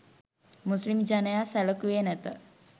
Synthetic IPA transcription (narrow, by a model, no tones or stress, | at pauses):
muslimd͡ʒanəjasɛləkujenɛt̪ə